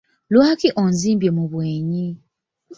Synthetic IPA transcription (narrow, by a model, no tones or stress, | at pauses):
lwaːkiʔonziːmbjemuβweːɲi